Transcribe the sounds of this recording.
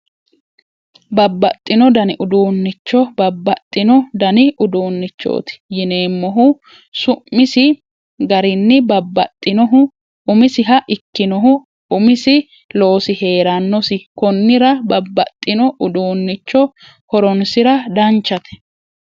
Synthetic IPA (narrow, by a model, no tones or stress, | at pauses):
bɐbːɐt̪ʼːɪnɔd̪ɐnɪʔʊd̪uːnːɪt͡ʃːɔbɐbːɐt̪ʼːɪnɔd̪ɐnɪʔʊd̪oːnːɪt͡ʃːo̰ːt̪ɪ̥jɪne̞ːmːɔɦʊ | sʊmːɪsɪ | ɡɐɾɪnːɪbɐbːɐt̪ʼːɪnɔɦʊ | ʊmɪsɪɦɐʔɪkːɪnɔɦʊ | ʊmɪsɪ | lo̞ːsɪhe̞ːɾɐnːɔsɪkɔnːɪɾɐbɐbːɐ̰t̪ʼːɪnɔʔʊd̪uːnːɪt͡ʃːɔ | hɔɾɔnsɪɾɐd̪ɐnt͡ʃːɐt̪ɛ̥